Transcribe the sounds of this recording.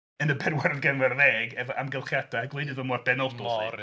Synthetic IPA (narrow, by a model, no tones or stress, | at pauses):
ənəbɛdwaɾənɡɛnvɛrðɛːɡɛvɔʔamɡɛlˠχjadaaɡlˠedɪðɔmɔrb̥ɛnɔlˠdɔsḭ